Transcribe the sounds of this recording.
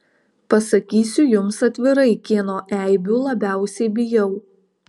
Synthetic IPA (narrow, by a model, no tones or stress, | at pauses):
pɐsɐkʲiːsʲʊjʊmsɐt̪ʲʋʲɪɾɐɪkʲeːnoːʔæˑɪbʲuːlˠɐbʲæˑʊsʲɛɪbʲɪjɛʊ